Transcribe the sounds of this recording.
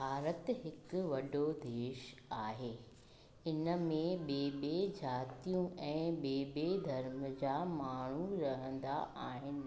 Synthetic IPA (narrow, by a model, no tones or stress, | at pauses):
bʱaːɾət̪ɦɪkʊʋɐɖod̪eːʃaːɦeː | ɪnəmẽɓeːbed͡ʑaːt̪ijũɛ̃ːɓeːbed̪ʱɐɾməd͡ʑaːmaːɳ̤uɾɐɦə̃nd̪a̰ʔaːɦɪnɪ̆